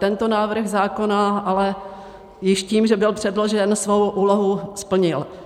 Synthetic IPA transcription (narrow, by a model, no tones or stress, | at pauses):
t̪ɛnt̪onaːvr̩ɣzaːko̞naʔalɛ | jɪʃciːmʒɛbɪlpr̝̥ɛdlo̞ʒɛnsvo̞wʔuːloɦuspl̩ɲɪl